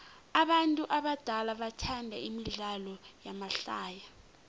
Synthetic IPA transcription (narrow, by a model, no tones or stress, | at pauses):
aɓantʼuʔaɓad̥ʱalaɓatʰandʱaimiɮalɔjamaɬaːja